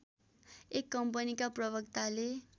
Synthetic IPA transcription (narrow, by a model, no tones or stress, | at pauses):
ekːʌmpʌnikaprʌbʌkt̪ale